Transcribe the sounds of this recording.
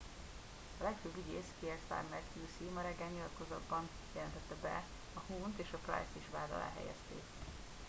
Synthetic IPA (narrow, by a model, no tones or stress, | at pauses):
ɒlɛkføbːiɟeːskiɛrt̪fa̰rmɛrk̪ʰjuːsimɒɾɛɡːaːɲɲilɒt̪ko̞zɒd̪bɒn | jɛlɛnt̪ɛt̪ːɛbɛ̰ | ɒhuːnt̪eːʃɒkra̰jsiʃʋaːd̪ɒ̰la̰ːɦɛ̰jɛ̰st̪ḛː